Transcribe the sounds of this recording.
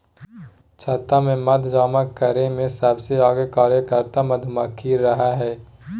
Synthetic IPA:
t͡ʃʰɐːt̪amẽmɐd̪ʱd͡ʒaːməkːəɾẽmẽsəbseaːɡekaːɾjəkəɾt̪amɐd̪ʱmɐkʰiɾɐɦaɦɛː

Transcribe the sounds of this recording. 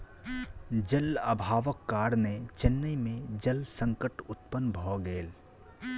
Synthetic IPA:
d͡ʒələ̰bʱaːʋəkːaːɾnet͡ʃɪnːəimẽd͡ʒəlsə̃ŋkəʈʊt̪pənbʱɔːɡeːl

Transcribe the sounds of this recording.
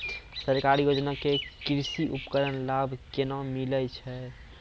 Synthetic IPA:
səɾkaɾijod͡ʒnakekɾsiʔupkəɾənlabʱkenamilət͡ʃʰɛ

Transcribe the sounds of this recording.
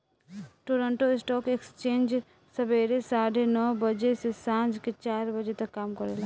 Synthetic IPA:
ʈoɾəɳʈoɪsʈɔkekst͡ʃend͡ʒ | səbeɾesaɽenɔbəd͡ʒesesãd͡ʒket͡ʃaɾbəd͡ʒet̪əkːamkəɾela

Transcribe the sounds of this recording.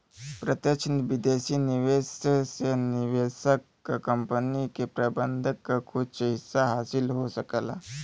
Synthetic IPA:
pɾət̪jət͡ʃʰnʋid̪eːsiniʋeːsseniʋesəkː | kəmpənikepɾaːbənd̪ʱəkːkʰut͡ʃəɦisaɦaːsilɦosəkəla̰

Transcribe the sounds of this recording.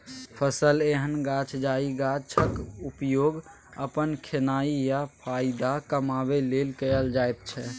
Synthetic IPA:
pʰəsəleɦənɡat͡ʃʰd͡ʒaiɡat͡ʃʰəkupjoɡ | əpənkʰenaijapʰaid̪akəmabelelkəjəld͡ʒajt̪̚t͡ʃʰɛ

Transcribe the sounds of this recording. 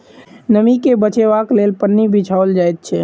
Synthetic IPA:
nəmikebət͡ʃebaklelpənːibit͡ʃʰaold͡ʒajt̪̚t͡ʃʰɛ

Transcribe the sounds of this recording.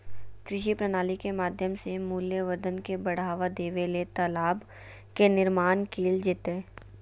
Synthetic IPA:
kɾɪʃipɾənaːlikemaːd̪ʱjəmsemuːljəʋəɾd̪ənkebɐɽ̤aːʋad̪eːʋelet̪əlaːb | kenɪɾmaːnkʰeːld͡ʒɪt̪eː

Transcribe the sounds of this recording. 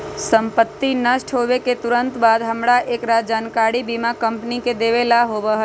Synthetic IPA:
sə̃mpət̪ːinəʃʈʰɦoːʋeket̪ʊɾə̃nt̪baːd̪ɦəmɽaʔeːkɾaːd͡ʒaːnkaːɾibimakə̃mpniked̪eːʋelaɦoːbəɦ

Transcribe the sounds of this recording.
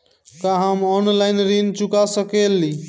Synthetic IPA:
kaɦamɔnlaɪnɾint͡ʃukasəkeli

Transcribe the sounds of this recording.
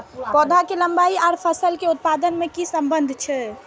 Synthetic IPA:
pɔd̪ʱakeləmbaiaɾpʰəsəlkeut̪̚pad̪ənmekisəmbənd̪ʱt͡ʃʰɛ

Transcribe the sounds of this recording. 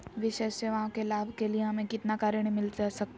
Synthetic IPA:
ʋɪʃeːʃseʋɐɦãkelaːbʱkelieɦɐmẽkɪt̪nakaːɾəɽ̃emɪlasɐk̚t̪ː

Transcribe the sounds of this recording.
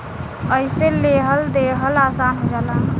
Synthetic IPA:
əjseleɦəld̪eɦəlasanɦod͡ʒalan

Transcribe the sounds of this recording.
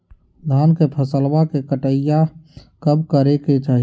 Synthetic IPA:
d̪ʱankepʰəsəlʋakekəʈəjakəbkəɾeket͡ʃaɦi

